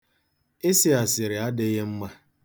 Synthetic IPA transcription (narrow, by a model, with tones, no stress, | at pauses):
ɪ˦sɪ˦a˨sɪ˨ɾɪ˨a˦dɪ˦ɣe˦m̩˦ma˦